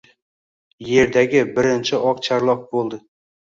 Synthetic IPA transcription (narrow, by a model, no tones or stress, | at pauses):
je̞ɾd̪aɡʲɪbɪɾɪnt͡ʃʰɪʔɒqt͡ʃʰaɾlˠɒq̚bolˠd̪ɪ